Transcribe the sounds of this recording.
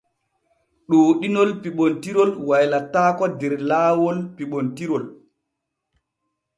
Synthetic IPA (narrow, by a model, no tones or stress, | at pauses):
ɗoːɗinɔlpiɓontiɾɔlwajlataːkɔdɛɾlaːwɔlpiɓontiɾɔl